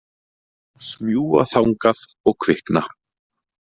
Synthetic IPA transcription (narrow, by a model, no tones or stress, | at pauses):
smjuːa̰θawŋkað | ɔɣkʰv̥ɪhkna